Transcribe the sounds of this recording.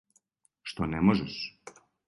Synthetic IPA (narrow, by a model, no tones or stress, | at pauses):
ʃt̪onɛmoʒɛʃ